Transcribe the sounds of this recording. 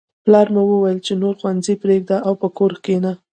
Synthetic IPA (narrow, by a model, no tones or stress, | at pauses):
plɑɾmawəwajəlt͡ʃenoɾxwanzipɾeɡ̚d̪aʔawpəkoɾkena